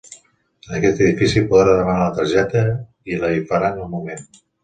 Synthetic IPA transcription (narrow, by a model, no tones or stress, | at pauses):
ənəkɛt̪əðifisipuðɾaðəmənalət̪əɾʒɛt̪ə | iləifəɾanəlˠmumen